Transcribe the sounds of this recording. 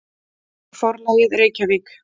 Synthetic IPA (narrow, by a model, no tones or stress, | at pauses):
fɔɾmaɪðɾeːjcavik